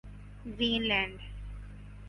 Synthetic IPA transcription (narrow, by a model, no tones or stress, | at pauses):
ziːnlɛ̃ːɳɖ